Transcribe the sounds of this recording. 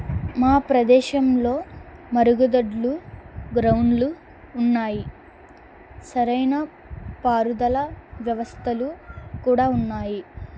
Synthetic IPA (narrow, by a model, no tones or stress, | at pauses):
maːpɾɐd̪ɛːʃɐmlo̞ːmɐɾuɡud̪ɐɖluɡɾɐwnluː | nːaːji | sɐɾɐjnɐ | paːɾud̪ɐlɐʋjɐʋɐst̪ʰɐlukuːɽaːunːaːji